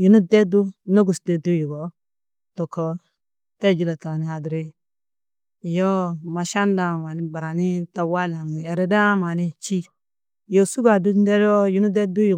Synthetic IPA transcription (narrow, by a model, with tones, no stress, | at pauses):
ju˨nu˦dɛ˦du˦no˦ɡu˨sdɛ˨du˦ju˨ɡɔ˨˦ | tɔ˨kɔ˨ | tɛ˦˨d͡ʒi˨la˨ta˨ni˨a˨dɾi˦˨ | jɔ˦ma˨ʃa˦n˦da˨ma˨ni˨ba˨ɾa˨ni˦ta˨wa˦la˨ŋ˨ɛ˨ɾe˨da˦ma˨ni˦t͡ʃi˦ | jo˦su˦ɡa˨du˦dɛ˦ɾɔ˦ju˨nu˦dɛ˦du˦ju˨